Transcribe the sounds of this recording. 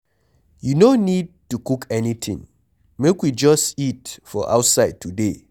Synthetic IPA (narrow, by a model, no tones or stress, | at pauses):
junonid̚tukukʰɛnitʰɪ̰̃ŋ | mekwid͡ʒʌstitfɔʔa̰ʊtsaɪd̚tʰude